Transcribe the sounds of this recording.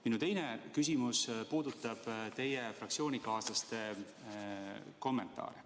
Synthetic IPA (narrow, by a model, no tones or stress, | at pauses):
minut̪e̞jne̞kys̬ʲimuspuːd̪ut̪ːˑɑb̥t̪e̞jefrɑk̚tsio̞ːnʲikɑːsɑst̪e̞ | ko̞mːe̞nt̪ːˑɑ̰ːɾe